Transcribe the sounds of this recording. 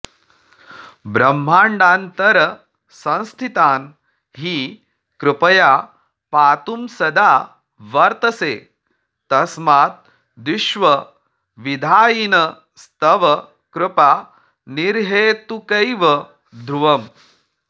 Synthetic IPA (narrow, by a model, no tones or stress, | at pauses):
bɾɐmːaːɳɖaːnt̪ɐɾɐ | sɐ̃ñst̪ʰit̪aːn | ɦiː | kɾɪpɐjaː | paːt̪umsɐd̪aː | ʋɐɾt̪ɐseː | t̪ɐsmaːt̪̚ | d̪iʃʋɐ | ʋid̪ʱaːjinɐ | st̪ʰɐʋɐ | kɾɪpaː | niɾɦeːt̪ukɐjʋɐ | d̪ʱɾuʋɐm